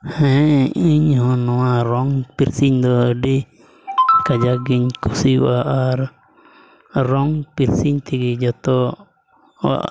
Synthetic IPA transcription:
hɛ̃iɲɦɔ̃nɔ̃wãɾɔŋpiɾsiɲd̪ɔɖi | kad͡ʒaɡiɲkusiwaʔaɾ | ɾɔŋpiɾsiɲt̪ʰiɡid͡ʒɔt̪ɔ | wa̰

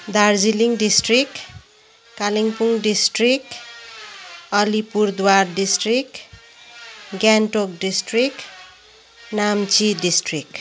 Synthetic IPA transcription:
d̪ard͡ziliŋɖisʈrik | kaliŋpuŋɖisʈrik̚ | ʌlipurd̪warɖisʈrik | ɡjanʈok̚ɖisʈrik | namt͡siɖisʈrik

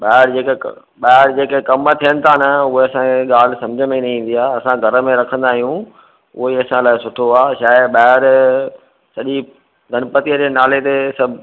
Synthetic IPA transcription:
ɓaːɦɪɾd͡ʑeːkḛ | ɓaːɦɪɾd͡ʑeːkekɐmət̪ʰijənɪ̆t̪ʰaːnɐʊɦeɐsãkʰeɠaːl̤ɪ̆sɐ̃md͡ʑʱəmẽnɐĩĩːn̆d̪ijaːɐsãɡʱɐɾəmẽɾɐkʰə̃nd̪aːɦijũ | ʊ̰ɦeɐsãlaːɪsʊʈʰoaːʃaːɪɓaːɦɪɾ | sɐʄi | ɡʱɐnpət̪ijəd͡ʑenaːlet̪esɐbʱ

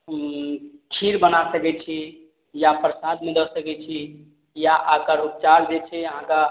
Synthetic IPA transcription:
t͡ʃʰiɾbənasəkɛt͡ʃʰi | japɾəsad̪mẽd̪əsəkɛt͡ʃʰi | jaʔakaɾopt͡ʃaɾd͡ʒet͡ʃʰɛəɦãka

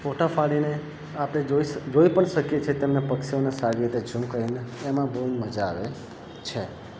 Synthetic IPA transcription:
foʈafaɭine | apɽ̃eoid͡ʒoipəɳʃəkjet͡ʃʰet̪emnepəkʃionesaɾiit̪ed͡ʒʱũkəɦineːmãbəɦuməd͡ʒaʋe | t͡ʃʰe

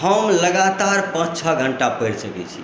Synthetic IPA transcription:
ɦəmləɡat̪aɾpə̃t͡ʃt͡ʃʰəɡʱəɳʈapəɪɾsəkɛ̰t͡ʃʰḭ

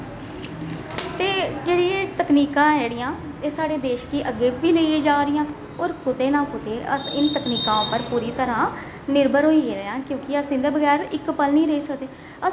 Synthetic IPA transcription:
t̪eːd͡ʒeːɽĩt̪əkniːkãːɛːɽɪjãː | eːsaːɽeːd̪eːʃkiʔəɡːeːbiːləieːd͡ʒaːɾɪjãː | ɔːɾkʊt̪eːnãːkʊt̪eːəɪnt̪əkniːkãːʊpəɾpuːɾiːt̪əɾãː | nɪɾbəɾɦoːiːeɾeãːkjõːkɪəsĩːd̪eːbəɡɛːɾɪkpəlniːɾəiːsəkd̪eː | ə

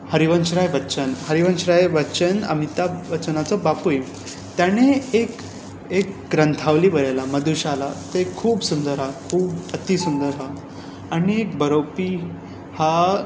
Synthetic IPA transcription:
həɾiʋənɕɾajʋətːɕənɦəɾiʋənɕɾajʋət͡ɕəna̰mit̪aʋət͡ɕənat͡sɔbapuji | t̪janeek | ekɡɾənt̪ʰaʋliːbəɾalaməd̪uɕalat̪ekʰuːbsund̪əɾɦakʰuːbət̪isund̪əɾɦa | aɽiek̚bʱəɾopi | ha

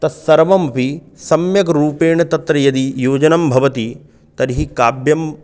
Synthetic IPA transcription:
t̪ɐsɐɾʋɐmpi | sɐmjɐkɐɾuːpeːɳɐt̪ɐt̪ɾɐjɐd̪ijoːd͡ʒɐnɐmbʱɐʋɐt̪i | t̪ɐɾɦikaːbjɐm

